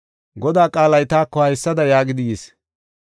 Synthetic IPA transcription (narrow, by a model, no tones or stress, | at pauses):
ɡɔd̪aːkʼaːlɐjt̪aːkːɔhɐjsːɐd̪ɐjaːɡɪd̪ɪjeːs